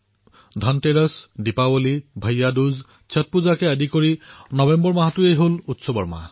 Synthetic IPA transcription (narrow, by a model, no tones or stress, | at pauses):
d̪ʱanteɹəsdipawolibʱajːaduz | t͡ʃʰat̚puzakeadikoɹinɔbembɔɹmaɦatuejɦolutsɔbɔ̰ɹma̰